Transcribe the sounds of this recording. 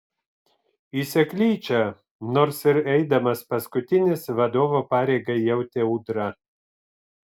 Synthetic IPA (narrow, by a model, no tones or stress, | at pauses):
isʲɛklʲiːt͡ʃʲɛ | noːɾsɪɾɛɪd̪ɐmɐspɐskʊt̪ʲɪnʲɪsʋɐd̪oːʋoːpɑːɾʲeɪɡɐjɛʊt̪ʲeʊːd̪ɾɐ